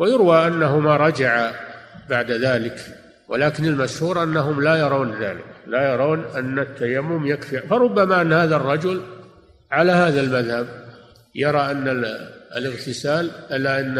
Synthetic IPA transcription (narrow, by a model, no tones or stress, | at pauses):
wajʊɾwaʔanːaɦʊmaɾˤɑd͡ʒaʕabaʕd̪aðaːlɪk | wʔa̰laːkɪnɪlmaʃhuːɾʔanːaɦʊmlajɑɾˤɑwnða̰ːlɪ̰klajɑɾˤɑːnʔanːat̪ʰːajamːʊmjakfiʕfɑɾˤʊbːamaʔanːhaːðarˤːɑd͡ʒʊl | ʕalahaːðalmaðhab | jɑɾˤɑʔanːalɪɣt̪ɪsaːlʔalːaʔanː